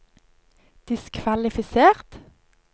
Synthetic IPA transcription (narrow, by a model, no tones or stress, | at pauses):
d̪̥ɪskʰʋɑlɪfɪseːʁt̪